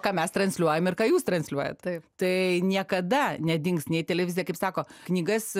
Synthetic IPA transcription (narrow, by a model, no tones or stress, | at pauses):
kɑːmʲɛst̪ɾɐnʲsʲlʲuɔjɛmɪrkɑːjuːst̪ɾɐnʲsʲlʲuɔjɛ̰t̪t̪ɐpt̪ɐɪnʲiɛkɐd̪ɐnʲɛd̪ʲɪŋksnʲɛɪt̪ʲɛlʲɛʋʲɪzʲjɛkɐɪpsɑːkoːknʲiːɡɐs